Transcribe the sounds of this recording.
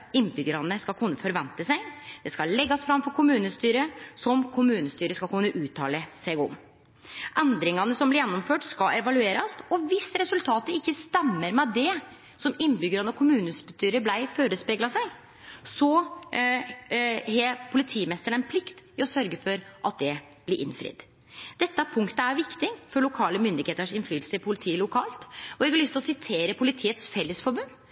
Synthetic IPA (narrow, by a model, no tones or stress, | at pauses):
ɪnːbʏɡəɾɑnəskɑkʰʊnːəfɔɾʋɛnt̪əsæɪd̪̥ɛskɑlɛɡːɑsfɾɑmfɔɾkʰʊmʉːnəst̪yːɾəsɔmkʰʊmʉːnəst̪yːɾəskɑlkʰʊnːəʔʉːt̪ʰːɑ̰ːləsæɪɡɔ̰m | ʔɛnd̪ɾɪŋɑnəsɔmblɪɾjɛnːɔmføːʈskɑɛʋɑlʉeːɾɑsɔʋɪsɾɛsʉlt̪ʰɑːt̪əɾɪkːəst̪ɛmːəɾmɛd̪ɛ | sɔmɪnːbʏɡəɾɑnəɔkʰʊmʉːnəst̪yːɾəblæɪføːɾəspɛɡlɑsæɪ | sɔ | hepʰʊlɪt̪ʰiːmɛst̪əɳɛnpʰlɪkt̪ɪɔsœɾɡəfɔɾʔɑt̪̚d̪ɛ | blɪɾʔɪ̰nfɾɪ̰d̪ | d̪̥ɛt̪ːəæɾpʰʊŋkt̪əæɾʋɪkt̪ɪŋfɔɭʊkʰɑːləmʏnd̪ɪɡheːt̪əʂɪnflyːt̪lsəɪpʰʊlɪt̪ʰiːlʊkʰɑːlt̪ɔɛɡɑɾɭʏst̪ɪlɔsɪt̪ʰeːɾəpʰʊlɪt̪ʰiːət̪sfɛlːəsfɔɾbʉnː